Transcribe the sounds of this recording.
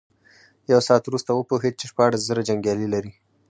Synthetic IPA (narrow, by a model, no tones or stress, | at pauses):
jawsɑːt̪wɾust̪awəpoɦed̪̚t͡ʃeʃpɑɽaszəɾad͡ʒaŋɡjɑlilaɾi